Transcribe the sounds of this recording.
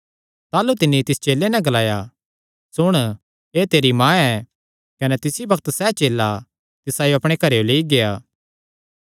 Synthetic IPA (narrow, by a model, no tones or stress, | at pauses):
t̪aːlut̪ɪnːit̪ɪst͡ʃeːlːenɛ̃ɡɐlaːja | sʊɽ̃ | eːt̪eːɾimãːɛː | kɐnɛt̪ɪsibɐkt̪sɛːt͡ʃeːlːa | t̪ɪsajoɐpɽ̃ekɐɾejoleːiɡejaː